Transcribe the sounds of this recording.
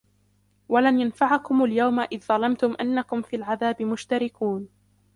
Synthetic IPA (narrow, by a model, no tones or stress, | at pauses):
walanjanfaʕakʊmaljawmaʔɪððˤɑlɑmt̪ʊmʔanːakʊmfiːlʕaðaːbɪmʊʃt̪aɾɪkuːn